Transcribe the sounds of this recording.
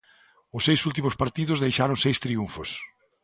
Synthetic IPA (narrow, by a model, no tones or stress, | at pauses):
ʊsːejsult̪̬imʊspaɾt̪iðʊzðejʃaɾoŋsejst̪ɾiuɱfʊs